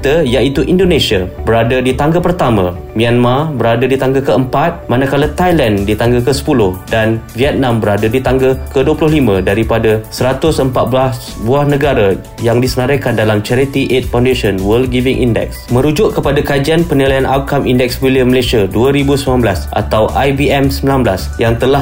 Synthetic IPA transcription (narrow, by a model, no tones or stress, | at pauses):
t̪əjait̪uʔindonẽsiabəɾadədit̪aŋɡəpərt̪amã̰ | mĩanmabəɾadadit̪aŋɡəkəəmpat̪̚mãnakalat̪ajlandit̪aŋɡəkəsə̥pulʊhdanviɛt̪̚nãmbəɾadadit̪aŋɡəkəduəpulʊɦlimə̃daɾipadasəɾat̪ʊsəmpat̪̚bas | buahnə̃ɡaɾa | jaŋdisənaɾajkandalamt͡ʃɛɾit̪iʔet̪̚faw̃ndeʃənwəl̚ɡivɪŋʔḭndɛ̰k̚smə̃ɾud͡ʒʊʔkəpadakad͡ʒianpənilajanʔat̪̚kamindɛk̚swiliəməlasiaduəɾibusəmilanblasʔa̰t̪awʔajbiɛmsəmbilanblasjaŋt̪əla